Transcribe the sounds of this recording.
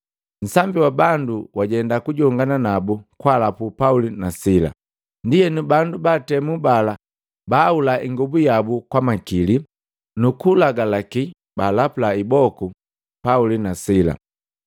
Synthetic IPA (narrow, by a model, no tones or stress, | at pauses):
n̩sambiwabanduwaɟɛndakuɟɔŋɡananabukwalapupaulinasila̰ | ndijɛnubandubatɛmubala | baːulaʔiŋɡubujabukwamakili | nukulaɡalaki | balapulaibɔku | paulinasila̰